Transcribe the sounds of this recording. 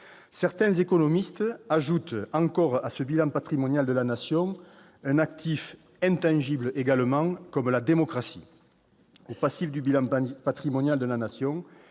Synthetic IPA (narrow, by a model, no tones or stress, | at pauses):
sɛʁt̪ɛ̃zekɔnɔmist̪aʒut̪ɑ̃ŋkɔʁasəbilɑ̃pat̪χimɔnjald̪əlanasjɔ̃ | ɛ̃nak̚t̪ʰif | ɛ̃nt̪ɑ̃ʒibləʔeɡaləmɑ̃kɔmlad̪emɔkχasḭ | opasifd̪ybilɑ̃pat̪χimɔnjald̪əlanasjɔ̃